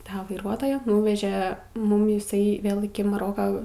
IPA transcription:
ˈtɑː ʋɐɪˈruɔtoːjæː ˈnuːʋʲɛʒʲɛ ˈmʊm ɪˈsɐɪ ˈʋʲeːlˠ ɪkʲɪ mɐˈroːkɐ

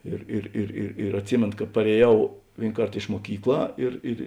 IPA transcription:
ˈɪr ɪr ɪr ɪr ɪr ɐtʲˈsʲɪmʲeːnoː kɐ pɐrʲeːˈjɛʊ ˈʋʲeːɪn ˈkɐrt ɪʃ muɔˈkʲiːkˌlˠɑː ɪr ɪr

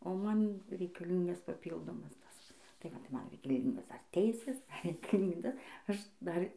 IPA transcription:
oː ˈmɐn rʲɛɪkɐˈlʲiːŋɡɐs pɐˈpʲiːlˠdoːmɐs ˈtɐs tɐɪ ʋɐ tɐɪ ˈmɐn rʲɛɪkɐˈlʲiːŋɡoːs dɐr ˈtʲɛɪsʲeːs dɐr rʲɛɪkɐˈlʲiːndɐ ˈɐʃ ˈdɐr

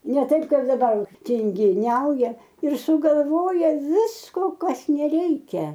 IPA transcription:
nʲɛ ˈtɐɪp ˈkɐɪp dɐˈbɐr tʲɪŋʲɡʲɪˈnʲɛʊjɛ ɪr sʊɡɐlˠˈʋoːjɛ ˈʋʲɪskoː ˈkɐs nʲɛˈrʲɛɪkʲɛ

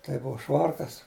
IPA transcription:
tɐɪ ˈbʊʋɐ ˈʃʋɐrkɐs

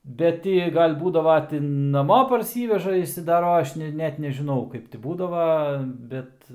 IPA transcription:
ˈbʲɛt tʲɪ ˈjiɛ ˈɡɐlʲ ˈbuːdɐʋɐ tʲɪ nɐˈmoː pɐrʲˈsʲiːʋʲɛʒɐ ɪʃʲsʲɪdɐˈroːjɛ ˈɐʃ nʲɛ ˈnʲɛt nʲɛʒʲɪˈnɐʊ ˈkɐɪp tʲɪ ˈbuːdɐʋɐ ˈbʲɛt

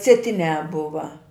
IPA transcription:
sʲiɛˈtʲɪnʲæː ˈbʊʋɐ

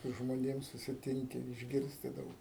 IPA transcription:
sʊ ʒmoːˈnʲeːm sʊsʲɪˈtʲɪŋʲkʲɪ ɪʒʲˈɡʲɪrʲsʲtʲɪ ˈdɐʊk

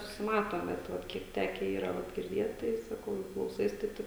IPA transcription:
sʊsʲɪˈmɑːtoːm bʲɛt ˈʋɐt ˈkʲiɛk ˈtʲæːkʲɛ ˈiːrɐ ˈʋɐ ɡʲɪrʲˈdʲeːt tɐɪ sɐˈkɐʊ jɛʊ klˠɐʊˈsɐɪs tɐɪ ˈtɐɪp

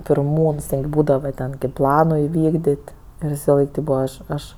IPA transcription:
pʲɪrˈmuːns ʋʲɪsɐlˠɐɪk ˈbuːdɐʋɐ tʲɛn kɐɪp ˈplˠɑːnoː ɪˈʋʲiːɡdʲɪtʲ ɪr ʋʲɪsɐˈlˠɐɪk tʲeːp ˈbuːʋɐ ˈɐʃ ˈɐʃ

